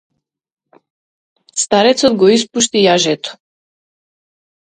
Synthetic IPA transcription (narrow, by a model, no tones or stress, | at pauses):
st̪aɾɛt̪sɔd̪ɡɔispuʃt̪ijaʒɛt̪ɔ̥